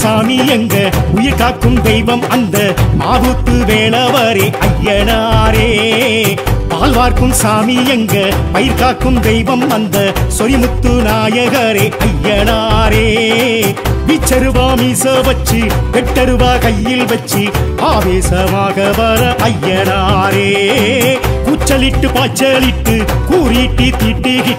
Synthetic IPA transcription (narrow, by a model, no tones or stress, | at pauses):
saːmijɛŋɡɐʊjɪɾkaːkɯmd̪ɛjʋɐmɐnd̪ɐmaːðuːt̪ːɯʋeːlɐʋɐɾeʔɐjːɐnaɾeː | paːlʋaːɾkɯmsaːmijɛŋɡɐ | pɐjɪɾkaːkɯmd̪ɛjʋɐmɐnd̪ɐsɔɾɪmʊt̪ːɯnaːjɐɣɐɾeʔɐjːɐnaːɾeː | ʋit͡ʃːɐɾɯʋaːmiːsɐʋɐt͡ʃːɯpɛʈːɐɾɯʋaːkɐjːɪlʋɛt͡ʃːiaːðeːsɐmaːɣɐʋɐɾɐʔɐjːɐnaɾeː | kuːt͡ʃːɐlɪʈːɯpaːt͡ʃːɐlɪʈːɯkuːɾiʈːit̪iːʈːiɣɪ